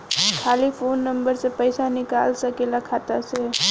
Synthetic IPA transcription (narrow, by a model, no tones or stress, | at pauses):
kʰalipʰonːəmbəɾsẽpəɪsanika̰lsəkelakʰat̪at͡ʃʰe